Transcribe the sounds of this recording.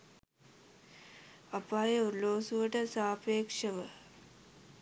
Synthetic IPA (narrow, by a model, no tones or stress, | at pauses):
ɐpaːjeoɾloːsuʋəʈəsaːpeːkʂɐʋə